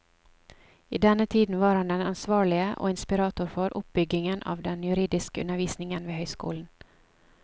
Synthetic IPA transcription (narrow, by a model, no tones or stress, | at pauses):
ʔiːd̪ɛnət̪ʰiːd̪n̩ʋɑːɾhɑnd̪ɛnɑnsʋɑːɭɪəʔo̰ːɪnspɪɾɑːt̪ʊɾfɔɾʔʊp̚b̥ʏɡɪŋənʔɑ̰ːʋd̪ɛnjʉɾiːd̪ɪskəʉ̰nːəɾʋiːsnɪŋənʋeːhœʏskṵːln̩